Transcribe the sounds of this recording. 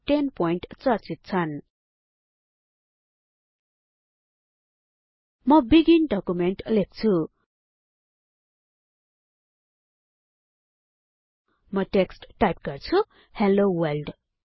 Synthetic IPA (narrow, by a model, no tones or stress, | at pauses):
ʈenpojɳʈt͡sʌrt͡sit̪̚t͡sʰʌn | mʌbiɡinɖʌkumenʈlek̚t͡sʰu | mʌʈeksʈʈajp̚ɡʌrt͡sʰu | helowʌlɖ